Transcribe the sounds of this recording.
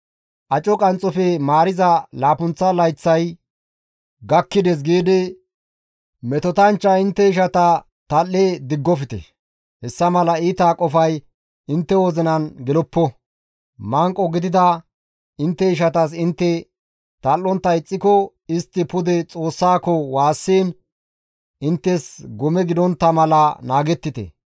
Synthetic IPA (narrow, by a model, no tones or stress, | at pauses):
ʔɐt͡ʃʼɔkʼɐnt͡sʼːɔfɛmaːɾɪzɐlaːpʊnt͡sːɐlɐjt͡sːɐj | ɡɐkːɪd̪ɛs̬ɡiːd̪ɪ | mɛt̪ɔt̪ɐnt͡ʃːɐɪnt̪ːɛɪʃ̬ɐt̪ɐ | t̪ɐlːeːd̪ɪɡːɔfɪt̪ɛ̰ | hɛsːɐmɐlɐiːt̪aːkʼɔfɐj | ɪnt̪ːɛwoːzɛnɐnɡɛlɔpːɔ | mɐŋkʼːɔɡɪd̪ɪd̪ɐ | ɪnt̪ːɛɪʃ̬ɐt̪ɐs̬ɪnt̪ːɛ | t̪ɐlːɔnt̪ːɐɪt͡sʼːɪkɔ | ɪst̪ːɪpʊd̪ɛt͡sʼo̞ːsːaːkɔwaːsːiːn | ɪnt̪ːɛsɡɔmɛɡɪd̪ɔnt̪ːɐmɐlɐnaːɡɛt̪ːɪt̪ɛ̰